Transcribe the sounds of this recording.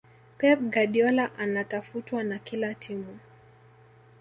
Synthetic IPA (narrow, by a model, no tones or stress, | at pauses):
pɛp̚ɡaɗiɔlaʔanatafutwanakilatʰimu